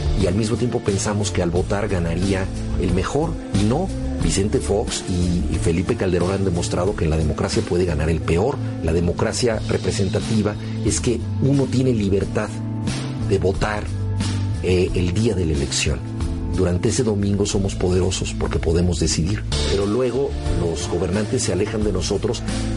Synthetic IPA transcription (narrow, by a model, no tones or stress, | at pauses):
ialmizmot̪je̞mpo̞pe̞nsamo̞skealβo̞t̪aɾɣanaɾia | elme̞xo̞ɾ | ino̞ | bise̞nt̪e̞fo̞ksife̞lipe̞kald̪e̞ɾo̞nand̪e̞mo̞st̪ɾað̞o̞keːnlað̞e̞mo̞kɾasjapwe̞ðe̞ɣanaɾe̞lpe̞o̞ɾ | laðe̞mo̞kɾasjarʔḛpɾe̞se̞nt̪at̪iβa | e̞ske | uno̞t̪je̞ne̞liβe̞ɾt̪að | ðe̞βo̞t̪aɾ | eeld̪iaðe̞laele̞ksjo̞̰n | d̪uɾant̪eese̞ðo̞mĩŋɡo̞so̞mo̞spo̞ðe̞ɾo̞so̞spo̞ɾke̞po̞ðe̞mo̞zðe̞siðiɾpe̞ɾo̞lwe̞ɣ̞o̞ | lo̞z̥ɣo̞βe̞ɾnãnt̪e̞sːe̞ale̞xand̪e̞no̞so̞t̪ɾo̞s